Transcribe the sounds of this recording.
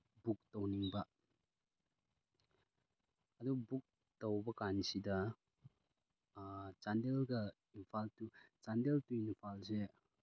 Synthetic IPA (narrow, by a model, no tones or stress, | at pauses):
buk̚towniŋbɐ | ɐdubuk̚ | towbɐkanisidɐ | t͡ʃandelɡɐ | inpʰaltut͡ʃandeltuinpʰalse